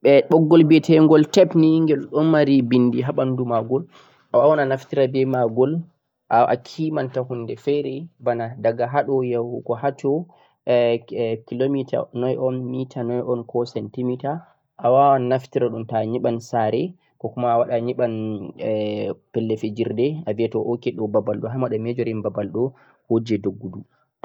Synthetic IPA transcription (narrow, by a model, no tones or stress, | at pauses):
ɓɛɗɔɡːɔlbɛtʰɛŋɡɔltɛpniŋɡɛlɗɔnmaɾibindiɦaɓandumaɡɔl | ʔawawananaftiɾabɛmaɡɔl | ʔaʔa̰kʰimantahundɛfɛɾɛbanadaɡaɦaɗɔjawhukɔhatɔ | kilomita̰nɔjʔɔnmitʰanɔjʔɔnkɔsɛntimita | ʔawawannaftiɾaɗumtaɲiɓansaɾɛ | kɔkumaːwaɗaɲiɓan | pɛlːɛfed͡ʒiɾdɛaviatɔʔokɛɗɔbabalɗɔɦamaɗamɛd͡ʒɔɾimbabalɗɔ | hod͡ʒɛdoɡːudu